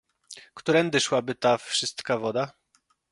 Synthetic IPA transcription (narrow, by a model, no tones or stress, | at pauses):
kt̪uɾɛnd̪ɘʂwabɘt̪afʂɘst̪kavɔd̪a